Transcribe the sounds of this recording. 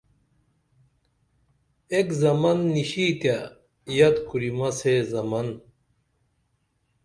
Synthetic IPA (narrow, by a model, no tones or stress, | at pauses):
ekzɐmɐnːiɕit̪ja | jɐt̪kuɾimɐsezɐmɐn